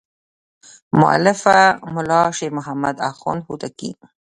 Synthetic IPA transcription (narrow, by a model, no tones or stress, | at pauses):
mʊ̰ʔa̰lɪfamʊlɑʃeɾmʊɦamad̪axo̰nhut̪akḭ